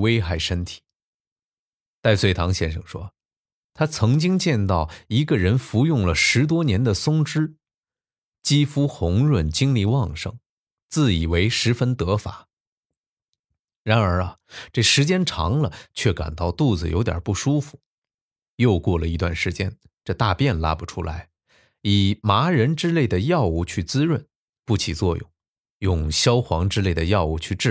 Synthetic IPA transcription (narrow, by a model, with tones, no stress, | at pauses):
we˥ɪxa˥˩ɪʂə˥nt̪ʰi̥˨˩˦ | t̪a˥˧ɪswe˥˩ɪt̪ʰɑ˧˥ŋɕjɛ˥nʂɤ̰˨˩ŋʂwɔ˥ | t̪ʰa˥t͡sʰɤ˧˥ŋt͡ɕi˥ŋt͡ɕjɛ˥˧nt̪ɑ˥˩ʊi˧˥ɡə˧ɻə˧˥nfu˧˥jʊ˥˩ŋlə˩ʂɻ̩˧˥t̪̬wɔ˥njɛ˧˥nd̪ə˨sʊ˥ŋʈ͡ʂɻ̩˥ | t͡ɕi˥fu˥xʊ˧˥ŋɻwə˥˩nt͡ɕi˥ŋli˥˧wɑ˥˧ŋʂɤ̰˧˩ŋ | t͡sɹ̩˥˩i˨˩we˧˥ɪʂɻ̩˧˥fə˥nt̪ɤ˧˥fa̰˨˩˦ | ɻa˧˥nə˞˧˥ɐ˨ʈ͡ʂɤ˥˩ʂɻ̩˧˥t͡ɕjɛ˥nʈ͡ʂʰɑ̰˧˥ŋlə˧t͡ɕʰɥɛ˥˩ka̰˨˩nt̪ɑ˥˧ʊt̪u˥˩d͡zɹ̩˨˩jo̰˧˥ʊt̪jɐ̰˨˩pu˥˩ʂu˥fu̥˨˩ | jo˥˧ʊkwɔ˥˩lə˩i˧˥t̪wa̰˥˩nʂɻ̩˧˥t͡ɕjɛ˥n | ʈ͡ʂɤ˥˧t̪a˥˧pjɛ˥˩nla˥pu˨˩ʈ͡ʂʰu˥la̰˧˥ɪ | i˨˩ma˧˥ɻə˧˥nʈ͡ʂɻ̩˥le˥˩ɪd̪ə˩jɑ˥˧ʊu˥˩t͡ɕʰy˥˩t͡sɹ̩˥ɻwə˥˧n | pu˥˩t͡ɕʰi˨˩t͡swɔ˥˧jʊ̰˥˩ŋ | jʊ˥˧ŋɕjɑ˥ʊxwɑ˧˥ŋʈ͡ʂɻ̩˥le˥˩ɪd̪ə˩jɑ˥˧ʊu˧˥˩t͡ɕʰy˥˧ʈ͡ʂɻ̩˥˩